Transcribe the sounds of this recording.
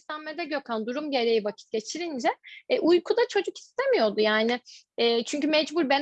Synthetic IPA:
t̪æmmed̪ɛɟøkʰand̪uɾumɟe̞ɾe̞jivacʰi̥t̪̚ɟ̥e̞t͡ʃʰiɾind͡ʒɛʔujkʰud̪at͡ʃʰo̞d͡ʒuki̥st̪ʰe̞mijo̞d̪ujaːnɪ | ɛːt͡ʃʰyɲcymɛd͡ʒbuɾbɛn

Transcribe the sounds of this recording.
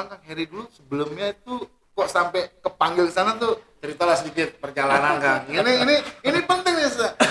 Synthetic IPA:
aŋkaŋɦɛɾidulusəbəlʊmɲait̪u | kɔʔsampɛkəpaŋɡɪlkəsanat̪̬ʊt͡ʃəɾit̪alahsədikɪt̪̚pərd͡ʒalanankaŋiniiniinipənt̪ɪŋnisa

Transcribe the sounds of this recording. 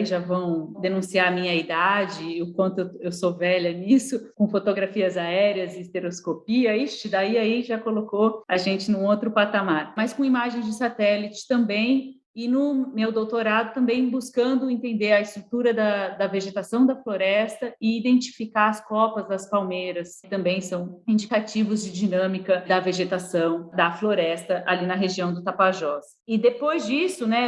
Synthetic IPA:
iʒavɐ̃w̃d̪enũsiaɾmĩɲɐid̪ad͡ʒɪʊkwɐ̃nt̪ʊewewsovɛʎɐnisʊkõfot̪oɡɾafiɐzaɛɾiɐzɪːst̪eɾoskopiɐist͡ʃɪd̪aiaiʒakolokoaʒẽnt͡ʃɪnũot̪ɾʊpat̪amaɾmɐskõimaʒẽj̃zd͡ʒɪsat̪ɛlit͡ʃɪ̥t̪ɐ̃mbẽj̃ | ɪnʊmewd̪owt̪oɾad̪ʊt̪ɐ̃mbẽj̃buskɐ̃nd̪ʊẽnt̪ẽnd̪eɐɪst̪ɾut̪uɾɐd̪ɐd̪ɐveʒet̪asɐ̃w̃d̪ɐfloɾɛst̪ɐɪid̪ẽnt͡ʃi̥fikaɾɐskɔpɐzd̪ɐspawmeɾɐst̪ɐ̃mbẽj̃sɐ̃w̃ĩd͡ʒikat͡ʃivʊzd͡ʒɪd͡ʒinɐ̃mikɐd̪ɐveʒet̪asɐ̃w̃d̪ɐfloɾɛst̪ɐʔalinɐɦeʒiɐ̃w̃d̪ʊt̪apaʒɔs | ɪd̪epojzd͡ʒisʊnɛ

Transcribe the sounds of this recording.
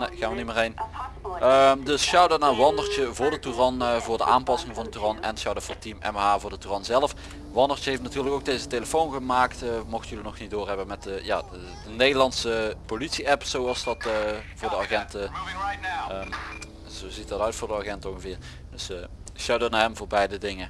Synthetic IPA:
nexaːnʋənimɪːrejn | əmdɵsʃɑwdənaːʋɑndəɹt͡ʃəvʊːɹdətyrɑnvʊːɹdə̰ʔaːnpɑsɪŋvɑndətyrɑnɛ̰nʃɑwdɔfɔtimɛ̰mɦaːvʊːɹdətyrɑnzɛlˠəf | ʋɑndəɹt͡ʃəɦejftnatyːɹləkowɡ̚dejzəteləfownɣəmaːktːmɔxtjɵlinɔxnit̚doːrɦɛbənmɛtja̰ː | dənejdəlˠɑnsəpolitsiɛpsowɑlˠsdɑtvʊːɹdəɑɣɛnt | zozitdɑtœɥtfʊːɹdəɑχɛntəonɣəvɪːɹ | dɵs | ʃawdənaɛmvʊːɹbɛjdədɪŋə

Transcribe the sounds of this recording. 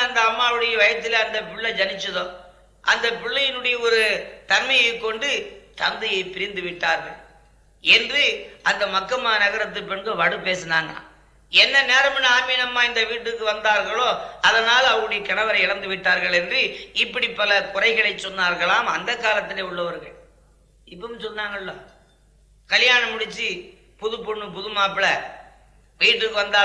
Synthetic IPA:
ɐnd̪ɐːmːaːʋɯɽɐjɐʋɐjɐt̪ːɪleɐnd̪ɐpʊɭːɐd͡ʒɐnɪt͡ʃːɐðõː | ʔɐnd̪ɐpɪɭːɐjɪnɯɽɐjɐɔɾɯt̪ɐnmɐjɐɪkːɔɳɖɯt̪ɐnd̪ɐjɐɪpɪɾɪnd̪ɯʋɪʈːaːɾɣɐɭ | ɛndrɯɐnd̪ɐmɐkːɐmːaːnɐɣɐɾɐt̪̬ːɯpɛɳɡɯʋɐɽɯpeːsɐnaːŋɡɐ̰ | ɛnːɐneːɾɐmɪnaːmiːnɐmːaːɪnd̪ɐʋiːʈːɯkːɯʋɐnd̪aːɾɣɐɭoːɐðɐnaːlɐʋɐŋɡɐɽɪjɐkɐɳɐʋɐɾɐɪɪɽɐnd̪ɯʋɪʈːaːɾɣɐɭɛndrɯɪpːɐɽipːɐlɐkʊrɐɪɣɐɭɐɪt͡ʃːɔnːaːɾɣɐɭaːmɐnd̪ɐkːaːlɐt̪ːɪleːʊɭːɐʋɐɾɣɐ̰ɭ | ɪpːɐsɔlːaːŋɡɐɭːoː | kɐlɪjaːnɐmʊɽɪt͡ʃːi | pʊðɯpɔɳːɯpʊðɯmaːpɪlɐ | ʋiːʈːɯkːɯʋɐnd̪aː

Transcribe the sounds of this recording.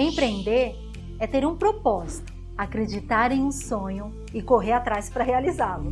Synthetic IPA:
ẽpɾẽnd̪eɾ | ɛt̪eɾũpɾopɔzit̪ʊ | akɾed͡ʒit̪aɾẽj̃ũsõɲʊ | ɪkoɦeɾat̪ɾaspɾɐɦealizalʊ

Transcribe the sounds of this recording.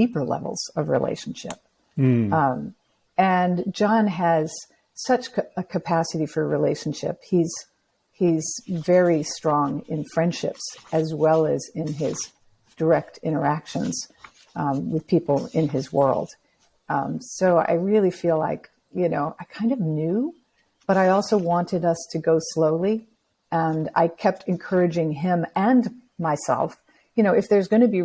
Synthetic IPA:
dipə˞lɛ̰vl̩ˠz̥ʌvɹḭlḛɪʃn̩ʃɪ̰p̚ | ɨ̃nd͡ʒɑ̃nɨz̥ | sʌt͡ʃɨkʰɨpʰæsɨɾifə˞ɹileɪʃn̩ʃɪ̰phiz̥ | hizvɛɹistɹ̥ɔ̃ŋɪ̃nfɹɛ̃nd̥ʃɪ̰psɨzwɛlˠɨzɪ̃nɪz | d̥ə˞ɛk̚tʰɪ̃ɾ̃ə˞ækʃɨ̃nz̥ | wɨð̥pʰipl̩ˠɪ̃nɪzwɜ̰˞lˠd̥ | soʊa̰ɪɹɪlˠifila̰ɪk | jɨnoʊʔaɪkʰãɪ̃ndʌvnjʉ | b̥ʌɾaɪɔlˠsoʊwɑ̃ntɨɾʌstʰɨɡoʊsloʊlˠi | ʔɨ̃na̰ɪkʰɛp̚tʰɨ̃nkʰɜ˞ɨd͡ʒɪ̃ŋɪ̃mɨ̃nmaɪsɛ̰lˠf | jɨñoʊɨfðə˞zɡʌñɨbi

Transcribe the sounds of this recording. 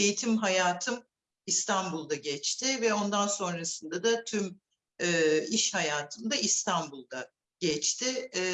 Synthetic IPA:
ejit̪ʰimɦajaːt̪ʰɯm | ist̪ʰanbulˠd̪aɟɛt͡ʃt̪ʰɪvɛo̞nd̪anso̞nɾasɯnd̪ad̪at̪ʰym | ɛːiʃhajaːt̪ʰɯmd̪aist̪ʰanbulˠd̪a | ɟ̥ɛt͡ʃt̪ʰɪ

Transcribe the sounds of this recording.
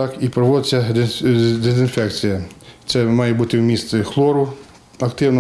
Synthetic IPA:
t̪ɑkipɾɔʋɔd̪ɪt͡sʲːɐ | d̪ezɪnfɛkt͡sʲijɐt̪sɛmɑjɛbut̪ɪwmʲist̪sɛxlˠɔɾʊ | ɐkt̪ɪwnɔ

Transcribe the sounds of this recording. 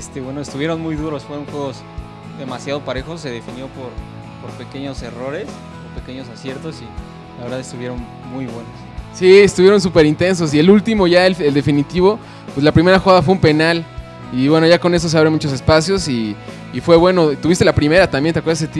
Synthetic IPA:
est̪eβwenoest̪uβjeɾo̞nmujðuɾo̞sfweonxweɣoz | ðe̞masjaðo̞paɾe̞xosːe̞ðefinjo̞poɾ | poɾpe̞ke̞ɲo̞se̞ro̞ɾe̞s | poɾpe̞ke̞ɲo̞sasje̞ɾt̪osi | laβeɾðaðest̪uβje̞ɾo̞n | mujβwe̞nossiest̪uβjeɾo̞ns̬upe̞ɾint̪e̞ns̬o̞s̬ie̞lult̪imo̞ʝaeleld̪efinit̪iβ̞o̞ | pwelapɾime̞ɾaxoɣaðafweumpe̞nal | iβwe̞no̞ʝakone̞s̬oseaβɾe̞mut͡ʃo̞s̬e̞spasjo̞siː | fwe̞βwe̞no̞t̪uβist̪e̞lapɾime̞ɾat̪ambjent̪ekweɾðaset̪u

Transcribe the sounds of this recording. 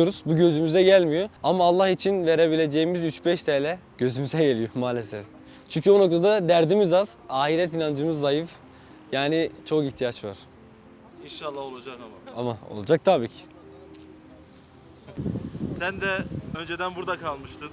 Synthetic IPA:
oɾuz̥buɟø̞zymyzɛɟælʲmijoamaːlˠːaxit͡ʃʰinve̞ɾeβilʲe̞d͡ʒe̞jimizyt͡ʃbɛʃt̪ʰɛːlʲɛɟ̥ø̞zymyzɛɟe̞lʲijo̞maːlʲe̞sɛf | t͡ʃʰyɲcʰyono̞k̚t̪ʰad̪ad̪æɾd̪imizaz̥aːɦiɾɛt̪̬inand͡ʒɯmɯzːajɯf | jaːnit͡ʃʰo̞kiçt̪ʰijat͡ʃva̰ɾ̥ | inʃalˠːaholˠad͡ʒakaamao̞̰lˠd͡ʒak̚t̪ʰabiːcʰi̥ | sænd̪ɛønd͡ʒed̪ænbuɾd̪akʰalˠmɯʃt̪ʰɯn

